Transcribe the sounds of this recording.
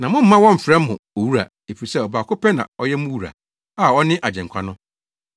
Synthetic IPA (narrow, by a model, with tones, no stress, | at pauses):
nã˨mʊ̃˦m̩ː˦ã˦wɔ̃˦m̩˨fɾɛ̃˦m̩ː˦ʊ̃˨o˨wu˦ɾa̰˨ | e˨fi˨i˨sɛ˦˨ɔ˨baː˨kʰʊ˦pʰɛ˦nã̰˨ɔ˦jɛ˦mʊ̃˦wu˦ɾa̰˨ | a˦˨ɔ˦nɪ̃˦ʔa˨d͡ʑɛ̃˨ŋkʷʰa˦nʊ̃˦